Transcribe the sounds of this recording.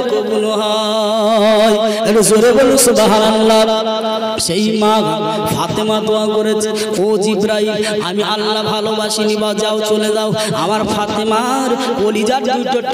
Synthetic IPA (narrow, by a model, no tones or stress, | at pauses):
kobunoɦɔ | j | eʈzoɾebolusud̪aɦaɾalːa | ʃejmaɡ | fʰat̪emad̪oakoɾet͡ɕʰe | od͡ʑibɾaɦibamialːabʱalobaʃinibad͡ʑaot͡ɕoled͡ʑao | a̰maɾfʰat̪emaɾkolid͡ʑad͡ʑd̪ujʈoʈ